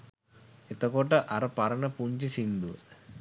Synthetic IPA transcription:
et̪ɐkoːʈɐʔɐɾɐpɐɾɐɳɐpuɲt͡ʃisind̪u

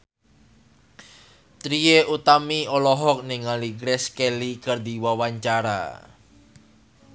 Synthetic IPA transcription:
t̪ɾieʔut̪amiɔlɔɦɔk̚niŋaliɡɾɛskelikərd̪iwawaɲt͡ʃaɾa̰

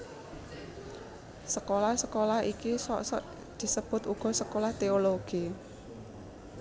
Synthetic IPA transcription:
səkolahsəkolahikisɔ̰ʔsɔ̰ʔ | d̪̥i̤səb̥ʊ̤t̪uɡ̥ɔ̤səkolaht̪eoloɡ̥i

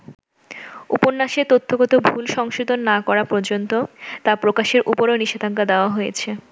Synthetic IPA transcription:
uponːaʃet̪ot̪ʰːoɡɔt̪obʱulʃɔŋʃud̪onːakɔɾapɔɾd͡ʑont̪ot̪apɾokaʃeɾʔupoɾoniʃed̪ʱaŋkad̪eoaɦojet͡ɕʰe

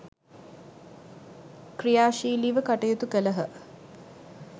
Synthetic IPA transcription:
krijaːʃiːliːʋəkaʈɐjət̪ukələɦə

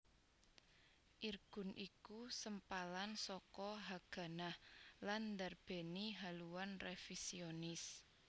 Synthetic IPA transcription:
ʔirɡ̥ʊ̤nʔikusəmpalansɔkɔɦaɡ̥ä̤nahland̪arb̥e̤niɦaluwanrefisionɪs

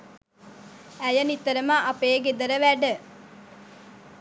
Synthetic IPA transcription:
æjənit̪ːəɾəməʔapeːɡed̪əɾəʋæɖə

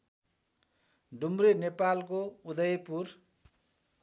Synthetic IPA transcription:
ɖʱumrenepalkoud̪ʌjpur

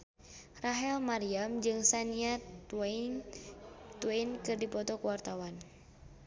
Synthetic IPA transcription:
raɦɛlmaɾiamd͡ʒɨŋsaniaan | t̪uwainkɨrdipɔt̪ɔkuwart̪awan

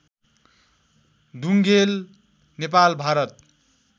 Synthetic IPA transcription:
d̪uŋɡel | nepalbʱaɾʌt̪̚

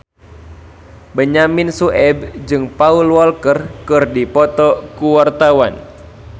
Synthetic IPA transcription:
bəɲamɪnsuʔɛb̚d͡ʒɨŋpaulwɔlkərkɨrdipɔt̪ɔkuwart̪awan

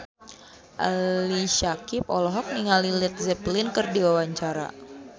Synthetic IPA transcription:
ʔa̰liʃakip̚ɔ̰lɔɦɔk̚niŋalilɛt̪̚zɛplɪnkɨrdiwawaɲt͡ʃaɾa̰

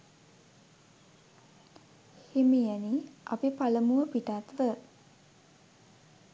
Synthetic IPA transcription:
hemijæniʔa̰pipaləmuʋəpiʈat̪ʋə

